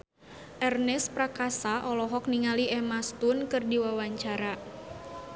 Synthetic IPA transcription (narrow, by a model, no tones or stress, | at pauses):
ʔɛrnɛspɾakasaʔɔlɔɦɔk̚niŋaliʔɛmast̪unkɨrdiwawaɲt͡ʃaɾa